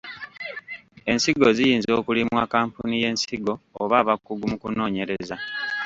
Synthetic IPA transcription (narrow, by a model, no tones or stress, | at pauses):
e̞nsiɡo̞zijiːnzo̞ːkulimwakaːmpunije̞ːnsiɡo̞ːβaːβakːuɡumukuno̞ːɲe̞ɾe̞za